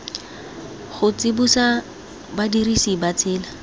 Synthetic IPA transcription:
χʊt͡sɪbusa | badirisibat͡sɪːla

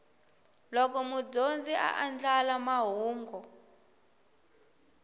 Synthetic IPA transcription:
lɔk̬ɔmub͡ʐond͡ziʔa̰ʔand͡ɮalamaɦuːŋɡɔ

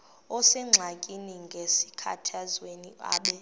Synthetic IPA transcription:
ɔsɛŋ͡ǁʱakʼiniŋɡʱesi̥kʰa̰tʰazwenia̰ːɓɛ

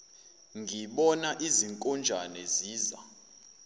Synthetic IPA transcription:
ŋɡʱiɓɔnaʔiziŋkʼɔnd͡ʒʱanɛziːza̰

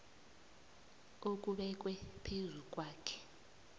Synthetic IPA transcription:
ok̬uɓɛk̬ʼwɛpʰezuk̬ʼwaːkʰɛ̥

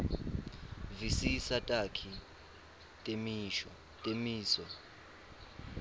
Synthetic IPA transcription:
visisatʼakʰi | tʼemiʃɔ | tʼemiːsɔ

